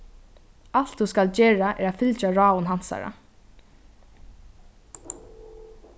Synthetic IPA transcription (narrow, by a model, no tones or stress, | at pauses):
al̥t̪θuskalt͡ʃɛːɹaʔɛːɹaðfɪlt͡ʃaɹɑːʊnɦansa̰ɹa̰